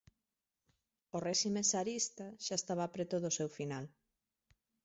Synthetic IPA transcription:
orɛʃimesaɾist̪aʃaest̪aβ̞apɾet̪oðosewfinal

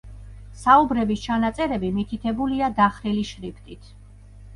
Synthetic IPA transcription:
saubɾɛbist͡ʃʰanat̪sʼɛɾɛbimit̪ʰit̪ʰɛbuliad̪aχɾiliʃɾipʰt̪ʼit̪ʰ

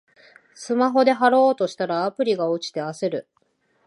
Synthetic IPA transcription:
sɨmaɦo̞d̪e̞ɦaɾo̞ːt̪o̞ɕi̥t̪aɾaːpɯ̟ɾʲiɡaot͡ɕi̥t̪e̞aseɾɯ̟

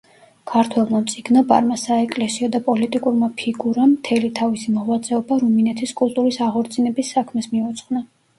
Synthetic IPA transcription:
kʰaɾt̪ʰwɛlˠmamt̪sʼiɡnɔba̰ɾmasaɛkʼlɛsiɔd̪apʼɔlit̪ʼikʼuɾmapʰiɡuɾamt̪ʰɛlit̪ʰavisimɔʁwat̪sʼɛɔbaɾuminɛt̪ʰiskʼulˠt̪ʼuɾisaʁɔɾt̪sʰʼinɛbisːakʰmɛsmiɔt̪sʰχna

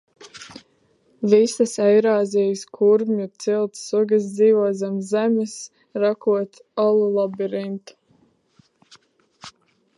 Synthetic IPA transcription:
visasɛjɾaːzʲijskʰuɾmʲut̪silˠt̪suɡas̬d̪ziːvuɔzamːæmʲɨs | ɾakuɔt̪ | alˠulˠabiɾint̪

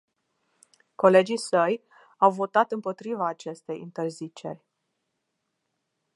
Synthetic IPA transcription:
ko̞le̞d͡ʒisəj | awvo̞t̪at̪ɨmpo̞t̪ɾivaːt͡ʃe̞st̪e̞̰jḭnt̪e̞rzit͡ʃe̞̰rʲ

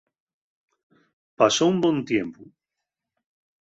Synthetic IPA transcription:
pasoumbõnt̪jempu

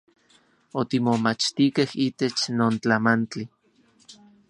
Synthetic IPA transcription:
ot̪imomat͡ʃt̪ikehiːt̪et͡ʃnoːnt͡ɬamant͡ɬi

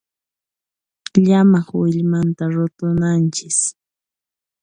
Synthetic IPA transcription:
ʎamɑχwɪʎmant̪aɾʊt̪ʊnant͡ʃɪs

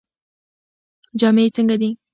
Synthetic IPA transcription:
d͡ʒɑmeet͡səŋɡad̪i

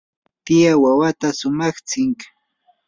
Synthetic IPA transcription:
t̪ɪjawawat̪asʊmɑχt͡sɪŋk

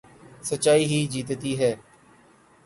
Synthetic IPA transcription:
sət͡ʃaːiːɦiːd͡ʒiːt̪t̪iːɦɛː

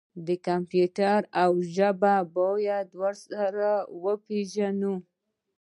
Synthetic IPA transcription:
d̪əkampjuʈaɾawʒəbabojad̪waɾsaɾawəpeʒanu

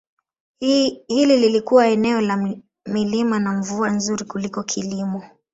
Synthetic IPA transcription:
hilililikuwaɛnɛɔla | milimanaɱvuanzuɾikulikɔkʰilimɔ

